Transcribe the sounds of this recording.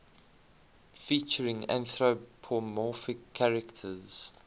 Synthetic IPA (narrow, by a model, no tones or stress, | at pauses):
fiˑt͡ʃəɹɪ̃ŋæ̰̃nθɹopʰɔmɔˑfɪkʰːaɹɛktʰəz̥